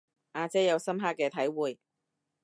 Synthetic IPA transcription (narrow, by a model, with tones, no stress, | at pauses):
ʔaː˧t͡sɛ˥jɐ˨˧wsɐ˥mɦaː˥k̚kːɛː˧t̪ʰɐ˨˥jwuː˨j